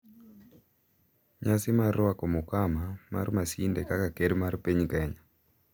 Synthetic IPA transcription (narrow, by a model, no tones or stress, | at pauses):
ɲasimarwakɔmɔkamama̰rmasindɛkakakeɾmarpeɲkɛɲa